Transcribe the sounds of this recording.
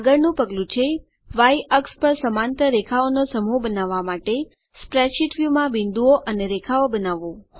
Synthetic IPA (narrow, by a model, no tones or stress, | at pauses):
aɡəɾnũpəɡlũt͡ʃʰe | ʋaiəkspəɾsəmant̪əɾekʰaonosəmubənaʋːamaʈe | spɾɛʃiʈʋjumãbɪnd̪uoʔəneɾekʰaobənaʋo